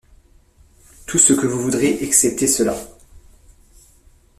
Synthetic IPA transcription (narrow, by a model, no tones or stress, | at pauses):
t̪ʰusəkəvuvud̪ʁeʔaksɛp̚t̪esəla